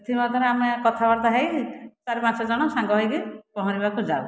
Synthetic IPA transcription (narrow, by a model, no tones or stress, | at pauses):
t̪ʰimat̪ɔɾeamekɔt̪ʰabaɽt̪aɦejt͡ʃaɾepãt͡ʃʰɔd͡ʒɔɽ̃ɔsãŋɡɔɦɔjkipɔɦɔ̃ɾibakud͡ʒad